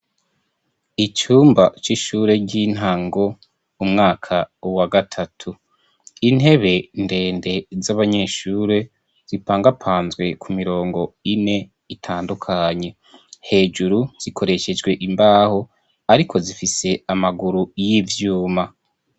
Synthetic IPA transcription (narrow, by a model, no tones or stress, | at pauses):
it͡ʃuːmbat͡ʃiʃuːɾe̞ɟin̥ɦaŋɡo̞ | umŋaːkʰawaɡatʰatʰu | ine̞βe̞nde̞ːnde̞zaβaɲe̞ʃuːɾe̞ | z̥ipaːŋɡapʰaːnzɡwe̞kʰumiɾo̞ːŋɡo̞ine̞ | itʰaːndukʰaɲe̞ | he̞ːd͡ʒuɾuz̥ikʰo̞ɾe̞ʃe̞d͡ʒɡwe̞ʔimbaːho̞ | aɾikʰo̞zifise̞amaɡuɾujivjuːma